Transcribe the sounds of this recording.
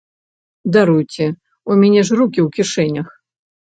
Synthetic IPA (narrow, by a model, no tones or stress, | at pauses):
d̪aɾujt͡sʲɛ | umʲɛnʲɛʐrukʲiwkʲiʂɛnʲɐx